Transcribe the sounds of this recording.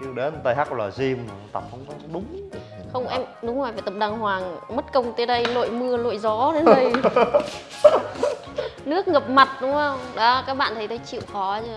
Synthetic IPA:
ɨ˧˨˧ɗe˨˦˨t̪a˧jhaː˦˥k̚ləː˨˩zi˧m˨˩˨t̪a˨˩p̚xə˧wŋ͡mkɔ˨˦˧ɗʊ˨˦ŋ͡m | xə˧wŋ͡mʔɛ˧mɗʊ˨˦ŋ͡mzo˧˨˩faː˨˩jt̪ə˨˩p̚ɗaː˨˩ŋhwaː˨˩ŋmə˦˥t̚kə˧wŋ͡mt̪e˨˦ɗə˧jlo̰˧˨jmɨ˧əlo̰˧˨jzɔ˨˦ɗe˨˦nɗə˨˧j | nɨ˦˥ək̚ŋə˨˩p̚ma˨˩t̚ɗʊ˨˦ŋ͡mhə˧wŋ͡mɗɔ˨˦kaː˦˥k̚ɓa̰ː˧˨nt̪ʰə˨˦jt̪ʰə˨˦jt͡ɕḭ˧˨wxɔ˨˦zə˧˩

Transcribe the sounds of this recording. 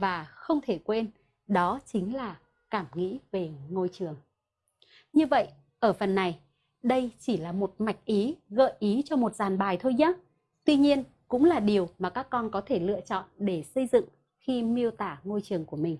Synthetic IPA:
vaː˨˩xə˧wŋ͡mt̪ʰe˧˩kwe˧n | ɗɔ˨˦t͡ɕï˨˦ŋ̟laː˨˩ | kaː˧˩mŋḭ˧˥ve˨˩ŋo˧jt͡ɕɨ˨˩əŋ | ɲɨ˧və̰˧˨j | ʔəː˧˩fə˨˩nːa˨˩j | ɗə˧jt͡ɕi˧˩laː˨˩mo˨˩t̚ma˨˩jk̟̚ʔi˨˦ɣə̰ː˧˨jʔi˨˦t͡ɕɔ˧mo˨˩t̚zaː˨˩nɓaː˨˩jt̪ʰo˧jɲa˦˥ | t̪wi˧ɲi˧ən | kʊ̰˧˥ŋ͡mlaː˨˩ɗi˨˩əwmaː˨˩kaː˦˥kːɔ˧nkɔ˨˦t̪ʰe˧˩lɨ̰˧˨ət͡ɕɔ̰˧˨nɗe˧˩sə˧jzɨ̰˧˨ŋ | xi˧mi˧əwt̪aː˧˩ŋo˧jt͡ɕɨ˨˩əŋku˧˩əmï˨˩ŋ̟

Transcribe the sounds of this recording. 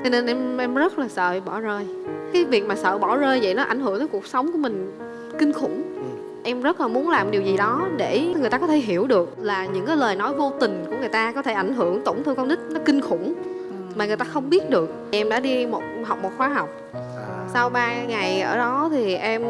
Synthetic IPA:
t͡ɕɔ˧ne˧nʔɛ˧mʔɛ˧mzə˦˥t̚laː˨˩sə̰ː˧˨ɓɔ˧˩zəː˧jkaː˨˦jvi˨˩ək̚maː˨˩sə̰ː˧˨ɓɔ˧˩zəː˧jvə̰˧˨jnɔ˨˦ʔa˧˩jŋ̟ɦɨ˧˩ət̪əː˨˦jku˨˩k̚sə˨˦wŋ͡mku˧˩əmï˨˩ŋ̟ | ki˧ŋxʊ̰˧˩ŋ͡m | ʔɛ˧mzə˦˥t̚laː˨˩mu˨˦ənlaː˨˩mɗi˨˩zi˨˩ɗɔ˨˦ɗe˧˩ŋ˨˩t̪aː˧kɔ˨˦t̪ʰe˧˩ɦi˧˩əwɗɨ˨˩ək̚laː˨˩ɲɨ̰˧˥ŋkaː˨˦jləː˨˩jnɔ˨˦jvo˧t̪ï˨˩ŋ̟ku˧˩əŋɨ˨˩əjt̪aː˧kɔ˨˦t̪ʰe˧˩ʔa˧˩jŋ̟ɦɨ˧˩əŋt̪o˧˩wŋ͡mt̪ʰɨ˧kɔ˧wŋ͡mɗï˦˥k̟̚nɔ˨˦kï˧ŋ̟xʊ̰˧˩ŋ͡m | maː˨˩ŋɨ˨˩əjt̪aː˧xə˧wŋ͡mɓi˦˥ət̚ɗɨ˨˩ək̚ʔɛ˧mɗa̰ː˧˥ɗi˧mo˨˩t̚ɦa˨˩wk͡p̚mo˨˩t̚xwaː˧ɦɔ˨˩wk͡p̚ | sa˧wɓaː˧ŋa˨˩jʔə̰ː˧˩ɗɔ˨˦t̪ʰi˨˩ʔɛ˧m

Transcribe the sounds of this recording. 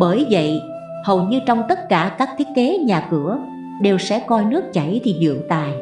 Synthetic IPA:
ɓəː˧˩jvə̰˧˨j | hə˨˩wɲɨ˧t͡ɕɔ˧wŋ͡mt̪ə˦˥t̚kaː˧˩kaː˦˥k̚t̪ʰi˦˥t̚ke˨˦ɲaː˨˩kɨ˧˩ə | ɗe˨˩wsɛ̰˧˥kɔ˧jnɨ˦˥ək̚t͡ɕa˧˩jt̪ʰi˨˩ɗɨ̰˧˨əwt̪a̰ː˨j

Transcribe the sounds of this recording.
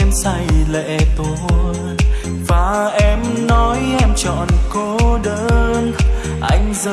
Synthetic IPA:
nsa˧˩jlɛ̰˧˨t̪o˧˩ | vaː˨˩ʔɛ˧mnɔ˨˦jʔɛ˧mt͡ɕɔ̰˧˨nkɔ˨˦ɗəː˧˦n | ʔa̰˧jŋ̟zə˧

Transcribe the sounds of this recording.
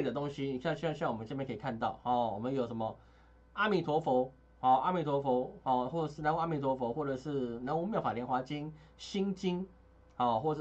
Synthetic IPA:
e˥˩d̪ə˩t̪o˦˥ŋɕi˧˦ni˨˩kɕə˦˩ɕnjkʰə˥˨˩kʰa˥˧nt̪ɑ˥˩ʊhɔ˨˩wɔ˨˩mə˦njo˨ʊʂə˧˦nmə˧ | a˥mi˨˩t̪ʰwɔ˧˥fɔ˧˥ʊ | hɔ˨˩a˥mi˨˩t̪ʰwɔ˧˦˥fo˧˥˦ɔ˥˨˩xwɔ˥˩ʈ͡ʂɤ˨˩ʂɻ̩˥˩a˧˥nwa˥mi˨˩t̪ʰwɔ˧˦fɔ˧˦xwɔ˥˩ʈ͡ʂɤ˨˩ʂɻ̩˥˩na˨˧˦u˧˥m˥jfa˨˩ljɛ˧˥˨nxwa˧˥t͡ɕi˦n | ɕi˦˥ŋt͡ɕi˦ŋ | hɔ˥˩xwɔ˥˩˥

